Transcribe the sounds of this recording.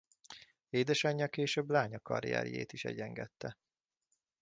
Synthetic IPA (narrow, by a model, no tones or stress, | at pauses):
eːd̪ɛʃɒɲːɒkeːʃøːblaːɲɒkɒɾḭjɛ̰ɾjḛːt̪iʃɛ̰ɟɛŋɡɛt̪ːɛ